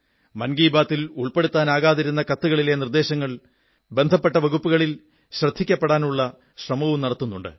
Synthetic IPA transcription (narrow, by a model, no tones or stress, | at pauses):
mɐnɡiːbaːt̪ːiluɭpe̞ɽut̪ːaːnaːɣaːðiɾunːɐkɐt̪ːuɣɐɭile̞nird̪e̞ːɕɐŋːɐɭ | be̞nd̪ʱɐpːe̞ʈːɐʋɐɣupːuɣɐɭil | ɕrɐd̪ʱːikʲːɐpːeɽaːnuɭːɐ | ɕrɐmɐʋumnɐɽɐt̪ːunːuɳɖɨ̰